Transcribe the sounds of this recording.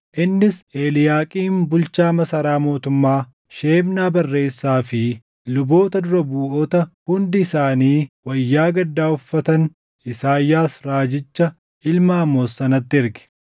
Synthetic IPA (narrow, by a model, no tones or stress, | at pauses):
ʔɪnːɪse̞ːlɪjaːkʼiːmbʊlt͡ʃaːmɐsɐɾaːmo̞ːt̪ʊmːaː | ʃe̞ːmnaːbɐrːe̞ːsːaːfɪ | lʊbo̞ːt̪ɐd̪ʊɾɐbuːʔɔt̪ɐhʊnd̪ɪɪsaːniːwɐjːaːɡɐd̪ːaːʊfːɐt̪ɐn | ɪsaːjːaːsɾaːd͡ʒɪt͡ʃːɐ | ʔɪlmaːmːoːsːɐnɐt̪ːɪɪɾɡɛ̥